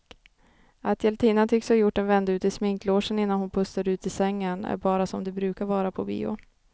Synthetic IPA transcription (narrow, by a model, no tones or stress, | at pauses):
at̪ʰjɛlt̪ʰiːnat̪ʰʏkshajʊʈːɛnvɛnd̪aʉ̟ːt̪ɪsmɪŋkloːʂənɪnːanhʊnpʰɵst̪ːaɾʉ̟ːt̪ɪsɛŋːənæ̰ɾbɑːɾasɔmd̪ɛbɾʉ̟ːkaɾvɑːɾapʰɔbḭːʊ̰